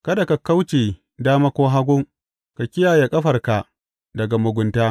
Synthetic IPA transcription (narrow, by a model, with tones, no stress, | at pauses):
kɐ˦da˨ka˨ka˦wt͡ʃeː˨ | daː˦ma˦kʷoː˦ɦa˦ɡʷʊ˦ŋ | ka˨kʲɪ˦jaː˨je˨kʼɐ˦ɸɐ˨rka˨ | dɐ˨ɡa˨mʊ˨ɡʷʊ˨ntaː˦